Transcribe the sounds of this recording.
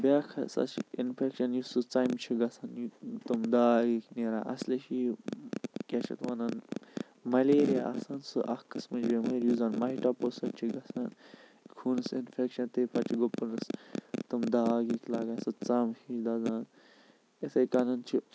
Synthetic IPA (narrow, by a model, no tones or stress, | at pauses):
bʲaːkʰɐ̰sɐ̰t͡ʃʰinfʰekʃɐnjisɨt͡saːjmt͡ʃʰiɡɐsanjt̪ɨmd̪aːɡikneːɾaːʔɐ̰sliʃi | kʲat͡ʃʰɐ̰t̪ʋɐnɐn | mɐleːɾijaʔa̰saːnsɨʔɐhkɐsmɐd͡ʒbemɐɾjuzaːnmɐɦiʈaːpoːsɐkt͡ʃʰiɡɐsankʰuːnɨsinfʰekʃɐnt̪eːpʰɐt͡ʃiɡopːɨɾnɨst̪ɨmd̪aːɡiklaːɡansɨt͡saːmhiʃd̪aːzaːn | esɐjkanɐnt͡ʃʰi